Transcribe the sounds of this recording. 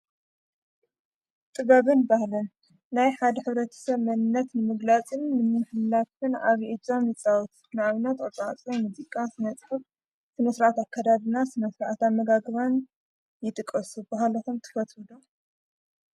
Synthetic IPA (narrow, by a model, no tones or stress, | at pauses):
t̪ʼɨβaβɨnbahlɐnː | ajħad̪ɐħɨβɾɐt̪ʰɐ̥sɐβmɐnnːɐt̪nɨmɨɡlat͡sʼɨnːɨmɨħɨlːakɨna̰βiʔɨd͡ʒamjɨt͡sʼawut̪ | nɨaβɨnat̪ɐt͡sʼat͡sʼomuzikʼasɨnɐt͡sʼħɐf | sɨnɐsɨɾʔat̪akʰːad̪ad̪ɨnasɨnɐsɾʔat̪amːɐɡaɡɨβan | jɪt̪ʼɨkʼːɐsubaɦalot̪ʰomt̪ʰɨ̥fɐt̪wɨd̪o